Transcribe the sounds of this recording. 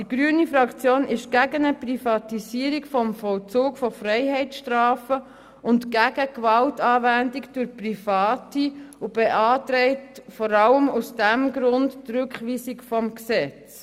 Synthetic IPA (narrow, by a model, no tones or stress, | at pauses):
d̥iɡ̥ɾyːənifɾɑkt͡sjoːnʔɪʃɡ̥æɡənəprifɑtisiəɾikfɔmfɔlt͡suːkfɔfrɛɪhɛɪtʃtrɑːfə | ʊntɡ̥æɡ̥əkʋɑltɑːvændikd̥ʊɾprifɑːtiub̥eʔɑːtɾɛɪtfɔɾɑləmusd̥æmɡɾʊndːrʉkχʋiːsikfɔmksɛt͡s